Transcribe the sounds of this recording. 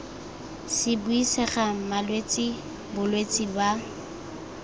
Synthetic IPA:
sɪbʊisɛχamalwet͡sʼɪ | bʊlwet͡sʼɪba

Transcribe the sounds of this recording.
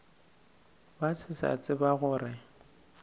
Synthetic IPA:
bat͡sʰɪsa̰t͡sʼɪbaɣʊrɪ

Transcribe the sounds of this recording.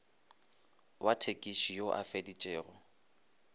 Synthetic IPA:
wʔatʰekʼiʃijoʔa̰fedit͡ʃʼɛːɣɔ

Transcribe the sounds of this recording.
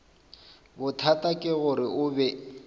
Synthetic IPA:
bʊtʰatʼakʼɪɣʊɾɪʊbɛ

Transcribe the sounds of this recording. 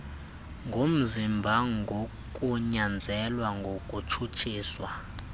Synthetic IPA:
ŋɡʱom̩zimbʱaŋɡʱo | kʼuɲand͡zʱɛlwaŋɡʱokʼut͡ʃʰut͡ʃʰiːswa

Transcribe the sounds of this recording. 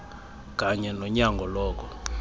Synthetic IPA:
kʼaɲɛnɔɲaŋɡʱɔlɔːk̬ʼɔ

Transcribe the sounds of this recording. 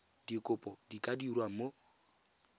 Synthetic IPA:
dikʼʊpʼɔdikʼadiɾwam̩mo

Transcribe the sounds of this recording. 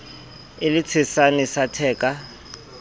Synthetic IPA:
ɪlɪt͡sʰɪsanisatʰɛːkʼa

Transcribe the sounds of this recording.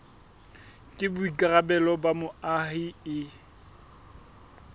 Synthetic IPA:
kʼɪbʊikʼarabɛlɔbamʊahiɪ

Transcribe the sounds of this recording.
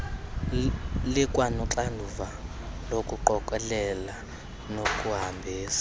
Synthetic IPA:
likʼwanuǁandʱuva | lokʼuǃɔkʼɛlɛla | nokʼuɦambʱiːsḁ

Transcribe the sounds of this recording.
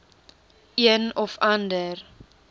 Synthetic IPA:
iənɔfandər

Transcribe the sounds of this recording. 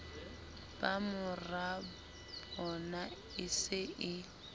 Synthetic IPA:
b̥amʊra | bɔna | ɪsɪɪ

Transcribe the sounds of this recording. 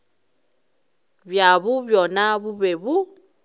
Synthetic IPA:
bjaβubjɔnaβuβeβu

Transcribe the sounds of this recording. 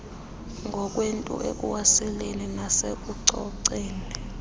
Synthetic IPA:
ŋɡʱɔk̬ʼwentʼṵʔḛk̬ʼṵwasɛleninasek̬uǀɔǀeːni

